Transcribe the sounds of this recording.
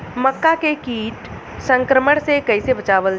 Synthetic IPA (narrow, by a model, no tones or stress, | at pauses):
məkːakekiːʈ | sə̃ŋkɾəməɽ̃sekəɪsebət͡ʃaːʋəl